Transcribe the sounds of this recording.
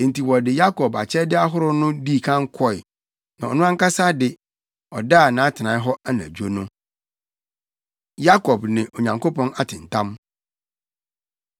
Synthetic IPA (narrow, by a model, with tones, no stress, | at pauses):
e˨n̩˨ti˨wɔ˨dɪ˨ja˦kʰɔ˨ba˨t͡ɕʰɛ˦dɪ˦a˦ɦʊ˦ɾʊ˦nʊ̃˦diː˦˨kʰã˦ŋ˦kʰɔ˦ɪ˨ | nã˨ɔ̰˨nʊ̃˦ã˦ŋ˦ka˦sa˦dɪ˨ | ɔ˨daː˦˨nãː˨˦tʰɪ˨nãː˨˦ɦɔ˦a˦nã̰˨d͡ʑᶣu˦o˦nʊ̃˦ | ja˦kʰɔ˨bnɪ̃˨ʔo˨ɲã˨ŋkʰo˦pʰɔ̃˦na˦tʰɪ̃˨n̩˨tʰã˦m